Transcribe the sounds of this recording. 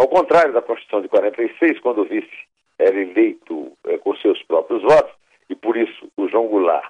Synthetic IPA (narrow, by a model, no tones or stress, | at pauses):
awkõnt̪ɾaɾjʊd̪ɐkõʃt̪usɐ̃w̃d̪ɪkwaɾẽnt̪ɐjsejskwɐ̃d̪ʊvisɪ̥ | ɛɾɐelejt̪ʊɛkõsewspɾɔpɾjʊzvɔt̪ʊ̥s | ɪpoɾisʊ̥ːʒɐ̃ɡula̰ɾ